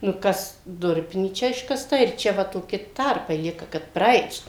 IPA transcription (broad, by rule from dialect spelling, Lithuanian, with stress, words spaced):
nʊ ˈkɐs ˈdʊrʲpʲɪnʲiːt͡ʃʲɛ ɪʃkɐsˈtɐ ɪr ˈt͡ʃʲɛ ʋɐ toːˈkʲɪ ˈtɐrpɐɪ ˈlʲiɛkɐ kɐt prɐˈɐɪt